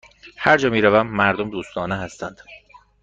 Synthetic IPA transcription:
hæɾd͡ʒɒːmiːɾævæmːæɾd̪omd̪uːst̪ɒːneɦæst̪ænd̪̥

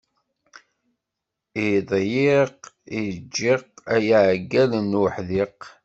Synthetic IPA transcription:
iðˤjiq | id͡ʒːiqæjʕɡːælənwħðiq

